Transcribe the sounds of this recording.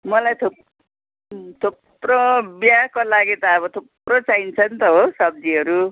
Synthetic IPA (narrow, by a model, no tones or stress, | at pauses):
mʌlajt̪ʰo | t̪ʰop | robjakolaɡet̪aʌβʌt̪ʰoprot͡saint͡sʰʌnt̪ʌɦosʌb̚d͡ziɦʌɾu